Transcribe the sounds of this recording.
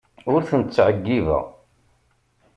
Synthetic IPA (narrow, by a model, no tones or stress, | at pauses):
ʊɾθənt̪t͡sːʕəɡːivæ̰